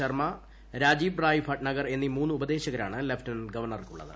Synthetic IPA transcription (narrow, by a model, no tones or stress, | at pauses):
ɐrmɐ | ɾaːd͡ʑiːbraːjifʰɐʈnɐɡɐre̞nːimuːnːɨubɐd̪e̞ːɕɐɣɐɾa̰ːɳɨlefʈɐnɡɐʋɐrɳɐrkṵɭːɐ̰ðɨ̰